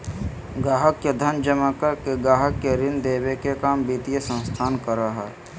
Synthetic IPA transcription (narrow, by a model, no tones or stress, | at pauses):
ɡaːɦəkjed̪ʱənd͡ʒəmakəɾkeɡaːɦəkːeɾɪnd̪eːbekekaːmbiːt̪ijesə̃nst̪ʰaːnkəɾaɦɛː